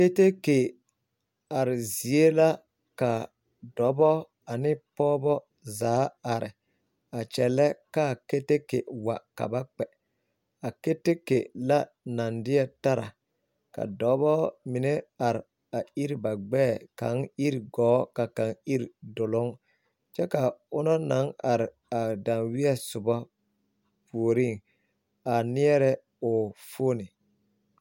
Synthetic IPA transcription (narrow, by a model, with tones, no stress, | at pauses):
ke˦te˦ke˨ | a˨ɾɪ˨zi˨e˦la˦ | ka˨ | dɔ˨˦bɔ˦ | a˨nɪ˦pɔː˦bɔ˦ | zaː˨˦a˨ɾɪ˨ | a˨t͡ʃɛ˨lɛ˦ka˦˨ke˦te˦kḛ˨wa̰˨ka̰˨ba˦k͡pɛ˨ | a˨ke˦te˦kḛ˨la˦ | na˨ndɪ˦ɛ˦ta˦ɾa˨ | ka̰˨dɔː˨˦bɔ˦mɪ˨nɛ˦a˨ɾɪ˨ | a˨i˦ɾi˦ba˨ɡ͡bɛː˦˨ka̰˨˦ŋi˦ɾɡɔː˨˦ka˨ka˨ŋi˦ɾi˨dʊ˨lʊ˦ŋ | t͡ʃɛ˦ka˨ʊ˦nɔ˦na˨˦ŋa˨ɾɪ˨ | a˨da˨nwɪ˦ɛ˦sʊ˨bɔ˦ | pu˨o˨ɾi˦˨ŋ | a˨nɪ˦ɛ˦ɾɛ˦ | ʊ˨foː˦nɪ˨